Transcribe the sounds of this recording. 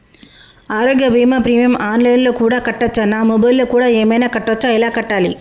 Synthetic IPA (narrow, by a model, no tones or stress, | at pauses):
aːɾoːɡjɐbʱiːmɐpɾiːmjɐmaːnlɐjnlo̞ːkuːɽaːkɐʈːɐt͡ʃːanaːmɔbɐjlːoːkuːɽaːeːmɐjnaːkɐʈːʋɐt͡ʃːailaːkɐʈːaːlḭ